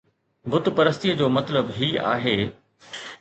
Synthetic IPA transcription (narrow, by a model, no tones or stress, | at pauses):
bʊt̪pɐɾəs̬t̪ijəd͡ʑoːmɐt̪ləbɦiːa̰ːɦeː